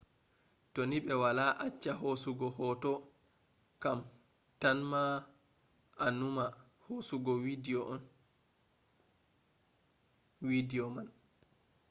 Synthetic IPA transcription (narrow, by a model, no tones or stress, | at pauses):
tɔniɓɛwalaʔat͡ʃːaɦosuɡɔhɔtɔ | kam | tanma | anuma | hosuɡɔwidiɔʔɔn | widiɔman